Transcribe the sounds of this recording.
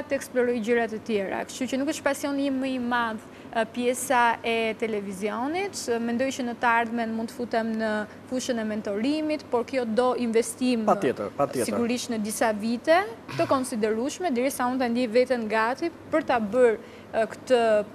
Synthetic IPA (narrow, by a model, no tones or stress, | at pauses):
t̪əɛksplɔɾɔjd͡ʑəɾat̪ət̪jɛɾa̰kə̥ʃucənukəʃpasjɔniməimað | pjɛsaɛt̪ɛlɛviziɔnit̪mɛnd̪ɔjt͡ʃənət̪əaɾðmɛnmunt̪ə̥fut̪ɛmnə | fuʃənɛmɛnt̪ɔɾimit̪pɔɾkjɔd̪ɔinvɛst̪imaɛt̪ə̰ɾpajɛsiɡuɾiʃnəd̪isavit̪ɛt̪əkɔnsid̪ɛɾuʃmɛd̪ɛɾisaunt̪and̪jɛvɛt̪ɛnɡat̪ipəɾt̪abəɾ | kə̥t̪ə